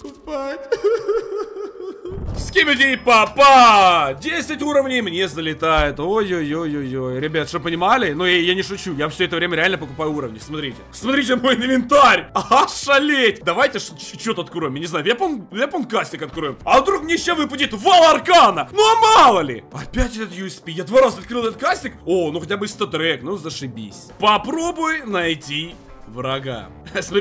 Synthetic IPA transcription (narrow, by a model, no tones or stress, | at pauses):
kʊpa | sʲkʲemʲɪdʲepɐpadʲesʲɪtʲuɾəvnʲɪjmnʲezəlʲɪt̪ajɪt̪ojojojojojɾʲɪbʲat̪ʂt̪opənʲɪmalʲɪnujanʲɪʂʊt͡ɕujafsʲoɛt̪əvɾʲeməɾʲɪalʲnəpəkʊpajʊuɾəvnʲɪsmɐt̪ɾʲitʲɪsmɐt̪ɾʲitʲɪmo̞jnəvʲɪnt̪aɾʲɐaʂɐlʲetʲd̪ɐvajtʲɪʂt͡ɕot̪əɐt̪kʊɾojɪmjanʲɪznajʊvʲjʲaponvʲeponkasʲtʲɪkɐt̪̚kɾojɪmɐvd̪ɾuk̚mnʲeɕavɨp̬ʊtʲit̪valˠɐrkanənoɐmɑlˠəlʲɪ̰ɐpʲætʲɛt̪ət̪juɛspʲijad̪vaɾazɐt̪kɾɨlˠɛt̪ət̪̚kasʲtʲɪkonuxɐtʲabɨɪst̪ət̪ɾɛknuzəʂɨbʲḭsʲpɐpɾo̞bʊjnɐjtʲi | vrɐɡa̰ | smɐɾʲi